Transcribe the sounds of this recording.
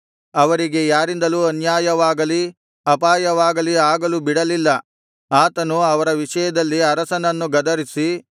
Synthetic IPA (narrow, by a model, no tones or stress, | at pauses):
ɐʋɐɾiɡe̞jaːɾind̪ɐluːɐnjaːjɐʋaːɡɐli | ɐpaːjɐʋaːɡɐliaːɡɐlubiɽɐlilːɐ | aːt̪ɐnuɐʋɐɾɐʋiʂɐjɐd̪ɐlːiɐɾɐsɐnɐnːuɡɐd̪ɐɾisi